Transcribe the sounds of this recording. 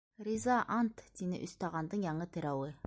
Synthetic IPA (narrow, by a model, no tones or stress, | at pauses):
ɾʲizaʔant̪d̪inɪ̰ʔɵ̆st̪ɑʁɑnd̪ɤɴjɑɴɤt̪ɘ̆ɾæwɘ